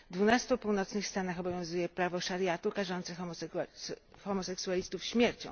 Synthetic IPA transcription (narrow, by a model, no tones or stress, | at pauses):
d̪vunast̪upuwnɔt̪snɘxst̪anaxɔbɔvʲjɔ̃w̃zujɛpɾavɔʂaɾjat̪ukaʐɔnt̪sɛx | xɔmɔsɛksualʲist̪ufɕmʲjɛɾt͡ɕɔ̰̃w̃